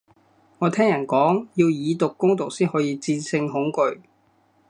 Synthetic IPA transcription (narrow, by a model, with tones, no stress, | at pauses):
ŋɔː˨˧t̪ʰɛː˥ŋjɐ˨˩nkɔː˨˥ŋjiː˧wjiː˨˧t̪ʊ˨kːʊ˥ŋt̪ʊ˨k̚siː˥nhɔː˨˥jiː˧t͡siː˧nsʰɪ˧ŋɦʊ˨˥ŋkɵ˧ɥ